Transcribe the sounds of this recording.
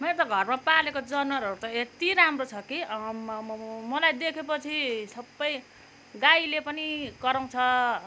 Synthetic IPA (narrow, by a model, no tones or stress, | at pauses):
meɾot̪ʌɡʱʌrmapalekod͡zʌnwʌɾʌɾut̪ʌet̪iɾamrot͡sʰʌki | mʌlajd̪ekʰepʌt͡sʰisʌbːʌj | ɡailepʌnikʌɾʌw̃t͡sʰʌ